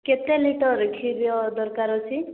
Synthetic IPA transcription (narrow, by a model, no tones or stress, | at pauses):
ket̪eliʈɔɾkʰiɾjɔd̪ɔɾkaɾɔt͡ʃʰi